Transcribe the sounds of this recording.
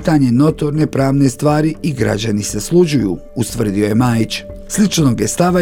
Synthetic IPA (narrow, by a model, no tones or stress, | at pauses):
t̪aɲe̞no̞t̪o̞ɾne̞pɾaːʋne̞st̪ʋaːɾiiɡɾa̰d͡ʑaniseslˠud͡ʑujṵ | ust̪ʋr̩d̪io̞je̞maːjit͡ɕslit͡ʃno̞ɡjest̪aʋa